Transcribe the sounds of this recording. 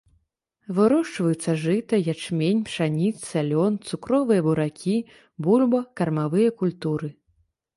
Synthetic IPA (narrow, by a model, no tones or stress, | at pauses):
vɨɾɔʂt͡ʂvɐjut̪sːɐʐɨt̪ɐjat͡ʂmʲenʲpʂanʲit̪sʲalʲɔnt̪sukɾɔvɨjɐbuɾakʲi | bulʲbɐkɐrmavɨjɐkulʲt̪uɾɨ